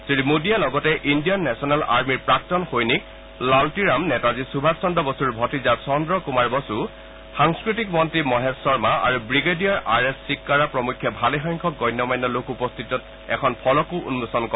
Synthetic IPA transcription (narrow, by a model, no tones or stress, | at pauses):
sɹimudialɔɡɔtɛʔindijɔnːɛsɔnɛla̰ɹmiɹpɹak̚tɔnxojnik̚ | laltiɹamnɛtazisubʱasɔndɔbɔsuɹbʱɔtizasɔndɹɔkumaɹbɔsu | xaŋskɹit̬ikmɔntɹimɔɦɛsɔɹmaa̰ɹubɹiɡedijaɹʔaɹɛsːikːaɹapɹɔmukʰːjɛbʱalɛxɔjŋkʰɔk̚ɡɔjnːɔmajnːɔlokupɔst̪ʰitɔt | ɛ̰kʰɔnpʰɔlɔkuʔṵnmusɔnkɔ